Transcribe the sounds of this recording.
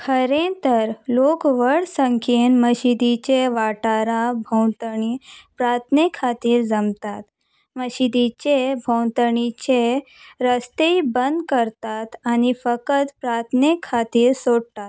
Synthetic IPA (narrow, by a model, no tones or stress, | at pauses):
kʰəɾẽt̪əɾlokʋəɽsəŋkʰinməɕid̪it͡ɕeʋaʈaɾabʱə̃wt̪əɳipɾaɾt̪ʰnekʰat̪iːɾd͡zəmt̪at̪ | məɕid̪it͡ɕebʱə̃wt̪əɳit͡ɕeɾəst̪əibənd̪kəɾt̪at̪anifəkət̪pɾaɾt̪ʰnekʰat̪iːɾsoɽt̪at̪̚